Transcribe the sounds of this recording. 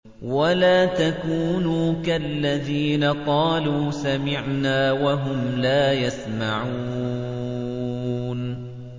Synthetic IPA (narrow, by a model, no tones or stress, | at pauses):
walaːt̪akuːnuːkaʔlːaðiːnaqɑːluːsamɪʕnaːwaɦʊmlaːjasmaʕuː | n